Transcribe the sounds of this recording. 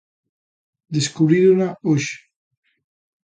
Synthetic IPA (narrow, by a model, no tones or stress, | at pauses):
d̪eskuβɾiðunaoʃ